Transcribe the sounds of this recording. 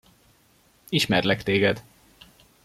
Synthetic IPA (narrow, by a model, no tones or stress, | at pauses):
iʃmɛrlɛkt̪eːɡɛd̪